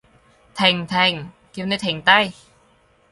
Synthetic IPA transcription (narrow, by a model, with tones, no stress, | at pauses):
t̪ʰɛ˧˩ŋt̪ʰɛ˧˩ŋ | ki˧wna˧jt̪ʰɛ˨˦ŋt̪a˥˩j